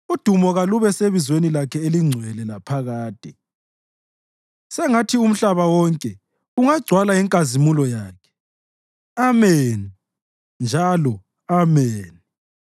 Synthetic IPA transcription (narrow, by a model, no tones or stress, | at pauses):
ud̥ʱumɔɣaluβɛseβizwenilakʰɛeliŋ͡ǀʱwɛlɛlapʰaɣaːd̥ʱʼɛ | sɛŋatʰium̩ɬaβawɔŋkʼɛ | uŋaɡ͡ǀʱwalaɛŋkʼazimulɔjaːkʰɛ̥ | ameni | nd͡ʒʱalɔ | ameːni